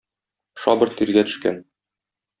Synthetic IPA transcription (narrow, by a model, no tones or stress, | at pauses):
ʃɒbɤ̆ɾt̪iɾɡæt̪ɵ̥̆ʃkæ̰n